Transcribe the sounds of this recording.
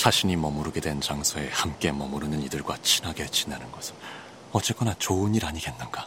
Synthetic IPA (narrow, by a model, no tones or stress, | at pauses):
t͡ɕaɕʰiɲimʌmuɾɯɡedwe̞nt͡ɕaŋsʰoe̞hamk͈e̞mʌmuɾɯnɯnidɯɭɡwat͡ɕʰinɦaɡe̞t͡ɕinanɯnɡʌsʰɯ̥n | ʌt͡ɕ͈ek͈ʌnat͡ɕoɯniɾaɲiɡe̞nːɯnɡa